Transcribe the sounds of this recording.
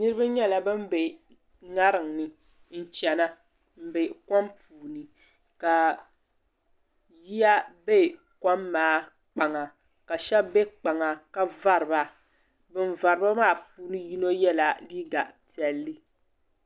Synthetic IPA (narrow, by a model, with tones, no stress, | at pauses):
nɨ˦ɾɨ˦ba˦ɲɛ˦la˨bɨ˦m˦be˨ | ŋa˦ɾɨ˨ŋnɨ˨ | n̩˨t͡ʃɛ˨na˦ | m̩˨be˨kɔ˦mpuː˨nɨ˨ | ka˨ | ji˦ja˦be˦˨ | kɔ˦mːaː˨˦ | k͡pa˨ŋa˨ | ka˨ʃɛ˦bbɛ˦k͡pa˨ŋa˨ka˦va˦ɾɨ˨ba˦ | bɨ˨nva˨ɾɨ˦ba˦maː˦˨puː˨˦nɨ˦ji˦no˦jɛ˦la˨liː˦ɡa˨pi˨ɛ˨lːɨ˦